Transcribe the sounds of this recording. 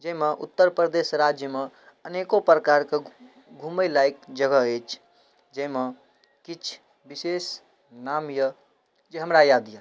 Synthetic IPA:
d͡ʒəɦimeʔṵt̪ːəɾpɾəd̪esɾad͡ʒjəme | ənekopɾəkaɾke | ɡʱuməlajkd͡ʒəɡəet͡ʃʰ | d͡ʒəme | kit͡ʃʰ | bises | namjə | d͡ʒeɦəmɾajad̪ja

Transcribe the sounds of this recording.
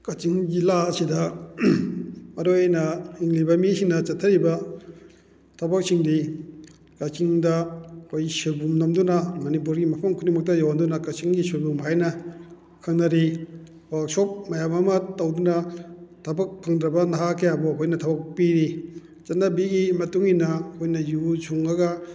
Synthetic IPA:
kɐt͡ʃiŋɡilaɐsidɐ | mɐɾojajnɐiŋlibɐmisiŋnɐt͡ʃɐtʰɐɾibɐ | tʰɐbɐk̚siŋdi | kɐt͡ʃiŋdɐkʰojsibumnomdunɐmɐnip̬uɾɡimɐpʰɐŋkʰunimɐk̚tɐjawandunɐkɐt͡ʃiŋɡisiɾbumɦajnɐ | kʰɐŋnɐɾi | wak̚sop̚mɐjamɐmɐtɐwdunɐtʰɐbɐk̚pʰaŋd̪ɾɐbɐnaɦakʰejabɔkʰojnɐtʰɐbɐk̚piɾi | t͡ʃɐtnːabiɡimɐtuŋinɐkʰojnɐjuzuŋɐɡɐ

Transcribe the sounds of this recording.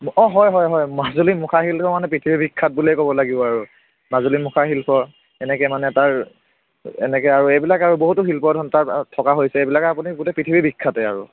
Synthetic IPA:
ɔɦɔjɦɔjɦɔjmazulimukʰaɦilpʰɔmanɛpɹitʰibʱibikʰːat̚bulejkɔbɔlaɡibɔaɹu | mazulimukʰaɦilpʰɔ | ɛnɛkɛmanɛtaɹ | ɛ̰nɛkɛaɹuejbilakaɹuboɦutʊɦilpɔdʱɔntaɹtʰɔkaɦojsɛebilakɛapuniɡutɛpɹitʰibʱibikʰːatɛa̰ɹṵ

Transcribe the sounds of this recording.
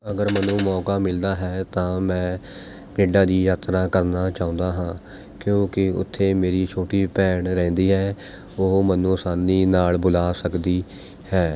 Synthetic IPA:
əɡəɾmənũːmɔːkaːmɪld̪aːɦɛːt̪ãːmɛ̃ː | keːɖãːd̪iːjaːt̪ɾãːkəɾnaːt͡ʃaːʊ̃nd̪aːɦãː | kjõːkɪʊ̰t̪ʰːeːmeːɾiːt͡ʃʰoːʈiːpɛːɳɾɛ̃ːnd̪iːɦɛː | oːmənːõːsaːniːnaːlbʊlaːsəkd̪iː | hɛː

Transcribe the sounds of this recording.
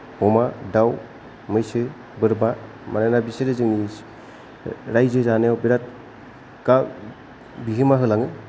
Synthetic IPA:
hɔmadaw | mɯjsɯ | bɯɾba | manajnabiseɾezɯŋni | ɾajzɯzanejawbiɾat̚ | ka | biɦɯmaɦɯlaŋɯ

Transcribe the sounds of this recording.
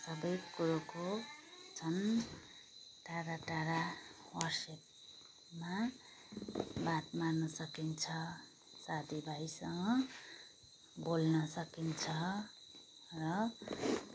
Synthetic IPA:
sʌbʌjkuɾokot͡sʰʌn | ʈaɾaʈaɾa | wʌrsep̚ | ma | bat̪manʌsʌkint͡sʰʌ | sad̪ibʱajsʌŋɡʌ | bolnʌsʌkint͡sʰʌ | rʌ

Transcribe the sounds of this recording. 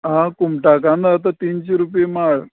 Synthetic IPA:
ɦãkumʈakãnd̪aːt̪at̪iːnt͡ɕeɾupjemaɭ

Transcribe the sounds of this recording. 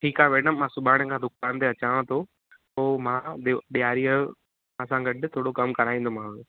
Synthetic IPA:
ʈʰiːkaːʋeːnəmːãːsʊbʱaːɽ̃əkʰãd̪ʱʊkaːnt̪eɐt͡ɕaːʋə̃t̪ʰo | poːmãːɗɓijaːɾiə | mãːsãɡɐɗt̪ʰoːɽokɐmkɐɾaːĩːnd̪omãʊ

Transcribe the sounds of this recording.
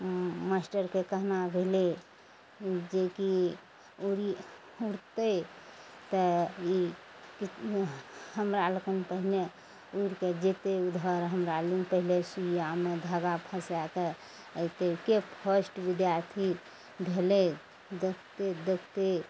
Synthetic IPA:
masʈəɾkekəɦnabʱele | d͡ʒeki | uɾi | uɽt̪ə | t̪əi | ki | ɦəmɾaləkənpəɦile | uɾked͡ʒet̪eud̪ʱəɾɦəmɾalinpəɦilesujamed̪ʱaɡapʰəsake | ət̪ekepʰəsʈʋid̪jaɾt̪ʰi | bʱele | d̪ekʰt̪ed̪ekʰt̪e

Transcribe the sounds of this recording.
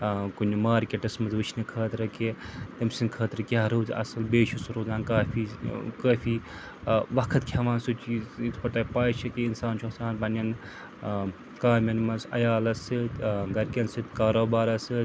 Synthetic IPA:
kunʲːumaːɾkʲeʈɐsmɐzʋɨt͡ʃʰnɨkʰɐːt̪ɾɐket̪ɐmsinkʰɐːt̪ɾɐkʲaɦɾoːzɐ̰sɐlbeːʃusɾoːzaːnkaːfʰikaːfʰiː | ʋɐkʰɐt̪kʲʰɐʋaːnsut͡ʃizit̪ʰpɐʈ̪aːpaːjt͡ʃʰɐkeinsaːnt͡ʃʰosaːnbɐnʲɐn | kaːmʲɐnmɐnsɐ̰jaːlɐsɨt̪ɡɐɾʲkʲɐnsɨt̪kaːɾoːbaːɾɐsɨt̪

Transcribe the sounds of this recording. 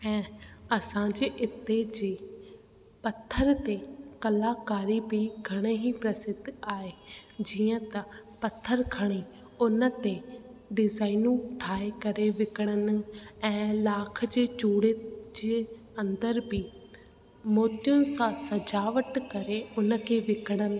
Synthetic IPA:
ɛ̃ːəsãːd͡ʒeʔɪt̪ːeːd͡ʒeː | pət̪ʰːəɾt̪eːkəlaːkaːɾiːbiːɡʱəɽ̃eːɦiːpɾəsɪd̪aːeːd͡ʒɪjãːt̪ãpət̪ʰːəɾkʰəɽ̃iː | ʊnãːt̪eːɖɪzaːinũːʈʰaːekəɾeːʋɪkɽ̃ənɛ̃ːlaːkʰd͡ʒeːt͡ʃuːɽeːd͡ʒeː | ənd̪əɾbiː | moːt̪ɪjʊnsãːsəd͡ʒaːʋəʈkəɾeːʊnãkeːʋɪkɽən

